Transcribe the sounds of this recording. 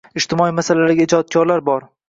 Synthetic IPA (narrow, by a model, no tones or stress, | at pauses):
ɪʃt̪ɪmɒimasalalaɾɡʲaɪd͡ʒɒd̪̚kʰʲɒɾlaɾbɒɾ